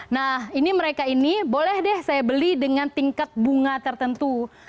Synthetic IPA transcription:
nahiniməɾekainibolɛhdɛhsajabəlidəŋant̪iŋkat̪̚buŋat̪ərt̪ənt̪u

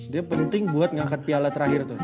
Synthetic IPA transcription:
diapənunt̪ɪŋbuat̪̚ŋaŋkat̪̚pialat̪əɾaɦɪrt̪ʊ

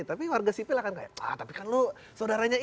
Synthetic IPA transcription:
t̪apiwarɡasipɪlahkanka̰ja̰a̰t̪apikanlo | saodaɾaɲa

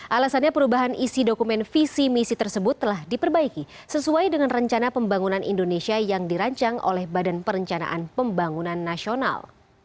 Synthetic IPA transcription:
ʔalasanɲapəɾubaɦanisidokumɛnfisimisit̪ərsəbʊt̪ːəlahdipərbaiki | səsuajdəŋanrəɲt͡ʃanapəmbaŋunanʔḭndonesiajaŋdiɾaɲt͡ʃaŋʔo̰lɛhbadanpəɾəɲt͡ʃana̰ʔanpəmbaŋunanːasiona̰l

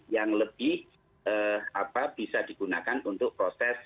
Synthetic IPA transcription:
jaŋləb̥ɪh | ʔəapab̥isad̪̥i̤ɡ̥unakanunt̪ʊk̚pɾosɛs

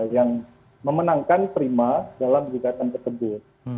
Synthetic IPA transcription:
jaŋ | məmənaŋkant̪əɾimadalamd͡ʒiɡat̪ant̪əkəbɪr̚

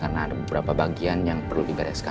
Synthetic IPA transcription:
kəənabəbəɾapabaɡianjaŋpərludibaɾaska

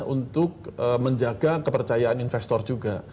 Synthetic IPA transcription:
unt̪ʊk̚əməɲd͡ʒaɡakəpərt͡ʃajaaninfɛst̪ɔrd͡ʒuɡa

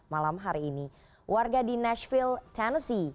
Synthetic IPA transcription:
malamɦaɾiːni | wʔarɡadinɛʃfilt̪ʰɛnəsi

